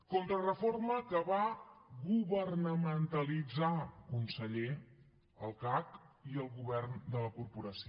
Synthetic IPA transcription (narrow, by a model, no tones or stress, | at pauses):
kont̪ɾərəforməkəβaɣuβərnəmənt̪əlid͡zakunsəʎe | əlˠkakiəlˠɣuβɛrnd̪ələkuɾpuɾəsi